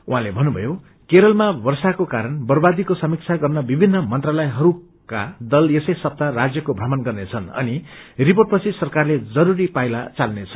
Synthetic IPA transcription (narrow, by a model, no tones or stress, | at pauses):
uɦãlebʱʌnːubʱʌ̰jo | keɾʌlmabʌrsakokaɾʌnbʌrbad̪ikosʌmik̚t͡sʰaɡʌrnʌbibʱinːʌmʌnt̪ralʌjeɦʌɾu | ka̰d̪ʌlesʌjsʌp̚t̪arad͡zjʌkobʱramʌnɡʌrnet͡sʰʌnʌ̰niriporʈ̚pʌt͡sʰisʌrkarled͡zʌɾuɾipajla̰t͡salnet͡sʰʌ